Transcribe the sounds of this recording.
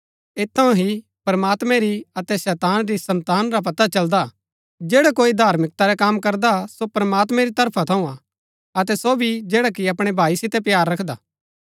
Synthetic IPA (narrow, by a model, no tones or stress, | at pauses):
et̪ʰːɐũɦi | pɾɐmaːt̪mɛ̃ɾiɐt̪ɛsɛːt̪aːnɾisɐ̃nt̪aːnɾap̬ɐt̪at͡ʃɐld̪a | d͡ʒeːɽakoːid̪ʱaːɾmɪk̚t̪aɾɛkaːmkɐɾd̪asopɾɐmaːt̪mɛ̃ɾit̪ɐɾpʰat̪ʰɐũa | ɐt̪ɛsobʱid͡ʒɛːɽakiɐpɽ̃ebʱaːisɪt̪ɛpjaːɾːɐkʰd̪aː